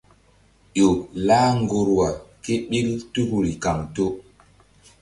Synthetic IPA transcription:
ʄo˨laː˦ŋɡo˨ɾwa˨ke˦ɓi˦ltu˦kɾi˨ka˨ŋto˦

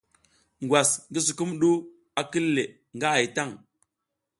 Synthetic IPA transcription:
ŋɡwa˨sŋɡə˦s̬u˨ku˦mɗu˦ | a˨ki˦lːe˨ | ŋɡa˦a˨jta˦˨ŋ

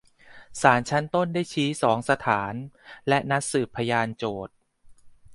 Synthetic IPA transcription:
saː˩˦nt͡ɕʰa˦˥nt̪o˥˩ndaː˥˩jt͡ɕʰiː˦˥sɔː˩˦ŋsa˧t̪ʰaː˩˦nlɛ˦˥ʔna˦˥t̪̚sɯː˨˩pʰːa˧jaː˧nt͡ɕoː˨˩t̪̚

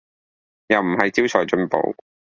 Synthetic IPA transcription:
jɐ˨wm̩˨˩ɦɐ˨jt͡si˥wt͡ʃʰɔː˨˩jt͡ʃɵ˧npo̰˨˧˥w

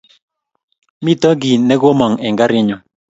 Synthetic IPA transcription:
mi˦tɔ˦ɡi˨nɛ˦ɡo˦mɔ˨ŋɛ˨ŋɡa˦ɾɪ˦ɲɔ˨

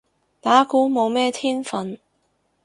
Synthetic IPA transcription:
t̪aː˨˥kuː˨˥mo˨˧wmɛː˥t̪ʰiː˥nfɐ˨n

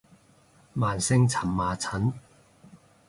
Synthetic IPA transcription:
maː˨nsɪ˥ŋt͡sʰɐ˨˩mːaː˨˩t͡sʰɐ˨˥n

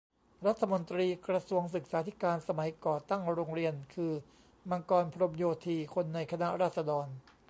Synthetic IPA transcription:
ɾa˦˥t̪ʰːa˧mo˧nt̪ɾiː˧kɾa˧su˧əŋs̬ɯ˨˩k̚saː˦t̪ʰi˦˥kaː˧nsa˧ma˩˦jkɔː˨˩t̪a˥˩ŋɾoː˧ŋɾi˧ənkʰɯː˧ | ma˧ŋkɔː˧npʰɾo˧mjoː˧t̪ʰiː˧kʰo˧nːa˧jkʰa˧na˦˥ɾaː˥˩t̪̚sa˧dɔː˧n

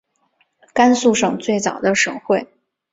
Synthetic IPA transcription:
ka˥nsu˥˧ʂɤ˨˩ŋt͡swe˥˩ɪt͡sɑ˨˩ʊd̪ə˦ʂɤ˨˩˦ŋxwe˥˩ɪ

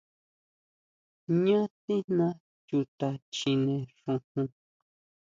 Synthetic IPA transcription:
ɲã˦t̪i˦nã˦ | ju˧t̪a˧t͡ʃi˧nẽ˧ʂũ˧hũ˧

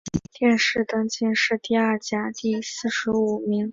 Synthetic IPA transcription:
t̪jɛ˥˧nʂɻ̩˥˩t̪ɤ˥ŋt͡ɕɛ˥˧nʂɻ̩˥˧t̪i˥˧ɐ˞˥˩t͡ɕja˥t̪i˥˧sɹ̩˥˩ʂɻ̩˧˥u˨˩mi˧˥ŋ

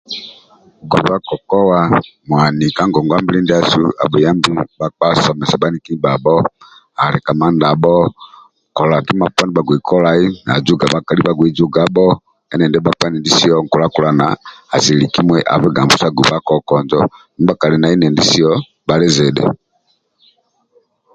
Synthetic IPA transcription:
ɡṵ˨βa˦kɔ˨kɔ˦wa˦mwa˨ni˨ka˦ŋɡɔ˨ŋɡa˦mbi˦li˦ndi˦a˦sṵ˦a̰˨bɛ˨ja˦mbi˦ba˦˨k͡pa˦sɔ˨mɛ˨sa˨ba˦ni˦ki˦ba˨bɔ˦ | a˨ɾɛ˨ka˨ma˦nda˨bɔ˦ | ŋkɔ˨la˨ki˦ma˨pwa˦ni˦ba˨ɡwi˨kʰɔ˦la˦i˦na˨d͡ʒu˦ɡa˨ba˦ka˨li˦ba˦ɡwɛ˨d͡ʒu˦ɡa˨˦bɔ˦ | ɛ˦nɛ˨ndɛ˦ba˦pwa˦ni˨ndi˦si˦ɔ˦ŋkɔ˨la˦ku˨la˨na̰˨a˨si˨li˨ki˦mwɛ˦ʔa̰˨βɛ˦ɡa˨mbu˦sa˦ɡu˨ba˦kɔ˦kɔ˨nd͡ʒɔ˦ni˦ba˦ka˨lɛ˨na˨i˦nɛ˨ndi˦si˦ɔ˦ | ba˦lɛ˦zɛ˨dɛ̰˨

